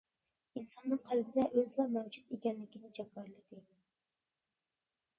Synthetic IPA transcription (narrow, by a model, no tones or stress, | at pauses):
insɑnːɨŋqʰælbɪd̪ɛʔøzlˠɑmɛwd͡ʒut̪ekʲɛnlɪkʲinɪd͡ʒɛkːɑɾlˠɨd̪ɪ